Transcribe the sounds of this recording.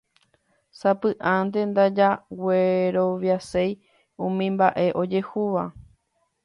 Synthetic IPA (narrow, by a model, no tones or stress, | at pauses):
sapɨʔãnd̪e̞nd̪ad͡ʒaweɾo̞ʋjasej | ũmĩmbaʔe̞ʔo̞d͡ʒe̞huʋa